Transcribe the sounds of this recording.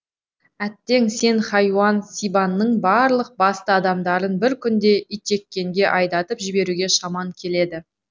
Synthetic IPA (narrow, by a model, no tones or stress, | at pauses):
æt̪ːe̞ŋse̞nχɑjwɑnsijbɑnːəɴbɑɾlˠəq̚bɑst̪əɑd̪ɑmd̪ɑɾənbɪɾkʲʰʏnd̪e̞ʔijt̪e̞kʲːe̞ŋɡʲe̞ʔɑjd̪ɑt̪əpʒɪbe̞ɾuɡʲe̞ʃɑmɑŋkʲʰe̞le̞d̪ɪ